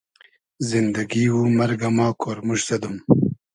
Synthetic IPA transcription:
zind̪aɡiwumɐɾɡamɑːkʰoːɾmuʃsɐd̪um

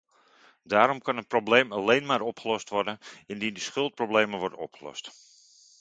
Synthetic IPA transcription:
daːɾɔmkɑnət̚problejmɑlejnmaːɾɔpχəlɔstʋɔrdənɪndindəsχɵlˠt̚prowblejməʋɔɹdənɔpχəlɔ̰st

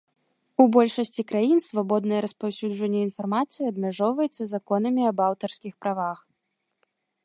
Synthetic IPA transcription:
ubɔlʲʂɐsʲt͡sʲikɾajinsvabɔd̪nɐjɛɾɐspawsʲud͡ʐɐnʲːɛinfarmat̪sɨjiɐbmʲaʐɔwvɐjɛt̪sːɐzakɔn̪ɐmʲiɐbawt̪ɐrskʲixpɾavax

